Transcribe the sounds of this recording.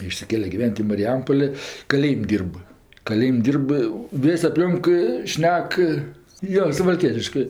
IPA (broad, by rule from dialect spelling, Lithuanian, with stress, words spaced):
ɪʃʲsʲɪˈkʲeːlʲɛ ɡʲɪˈʋʲɛnʲtʲ ɪ mɐrʲɪˈjɛmpoːlʲeː kɐˈlʲeːjɪmʲ ˈdʲiːrp kɐˈlʲeːjɪmʲ ˈdʲiːrp ˈʋʲeːsʲ ɐpʲˈlʲoːŋk ˈʃʲnʲɛk joː sʊʋɐlʲˈkʲiɛtʲɪʃkɜ